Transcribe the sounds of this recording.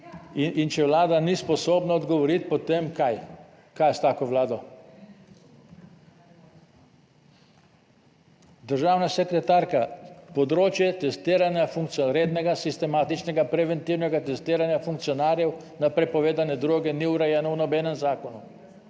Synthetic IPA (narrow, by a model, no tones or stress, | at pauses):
int͡ʃɛʋlaːd̪anispɔsoːbnaɔd̪ɡɔʋɔɾit̪̚pɔt̪emkaj | kajst̪aːkɔʋlaːd̪ɔ | d̪əɾʒaːwnasɛkɾɛt̪aɾkapɔd̪ɾoːt͡ʃjɛt̪ɛst̪iːɾanjafuŋkt̪sɾeːd̪nɛɡasist̪ɛmaːt̪it͡ʃnɛɡapɾɛʋɛnt̪iwnɛɡat̪ɛst̪iːɾanjafuŋk̚t̪sijɔnaːɾjɛw | napɾɛpɔʋeːd̪anɛd̪ɾoːɡɛniuɾɛjɛːnɔwnɔbɛnɛmzaːkɔnu